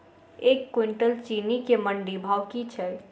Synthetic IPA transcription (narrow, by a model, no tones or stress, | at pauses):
ekːwiɳʈəlt͡ʃinikeməɳɖibʱawkit͡ʃʰɛ